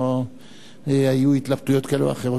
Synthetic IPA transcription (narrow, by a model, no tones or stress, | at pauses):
ajuit̪labt̪ujo̞t̪kaelṵa̰χeʁo